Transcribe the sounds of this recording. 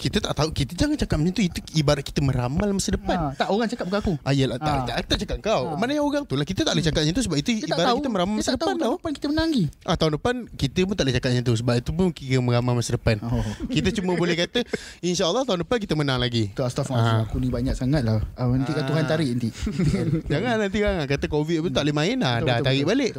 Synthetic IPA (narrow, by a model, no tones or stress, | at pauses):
kit̪ət̪aʔt̪aukit̪əd͡ʒaŋant͡ʃakat̪̚məɲant̪uit̪uibaɾat̚ki̥t̪əmə̃ɾamalmasədəpant̪aʔoɣaŋt͡ʃakat̚bəkaakuʔaijəlaaʔt̪aʔt̪at͡ʃakat̪̚əŋkawmanajaoɣaŋt̪ulahkit̪ət̪aʔlət͡ʃakat̚ɲat̪usəbap̚it̪uibaɾaakit̪əmə̃ɾamalmasdəpanauəpankit̪əmənaŋɡiʔaht̪aʊndəpankit̪əp̬ʊnt̪aʔlət͡ʃakat̪̚ɲat̪us̬əbap̚it̪upʊnkiəməɾamamasədəpankit̪ət͡ʃumə̃bolɛhkat̪əinʃaːlːɑht̪aʊndəpank̬it̪əmənaŋlaɡit̪uast̪ɔffaakunĩbaɲaʔ̚saŋat̪̚laant̪ikauɦant̪aɾiʔnt̪i | d͡ʒaŋanant̪iɡaŋakat̪əkovit̪̚pt̪ut̪aʔləmaɪnlahdat̪aɾiʔbaleʔ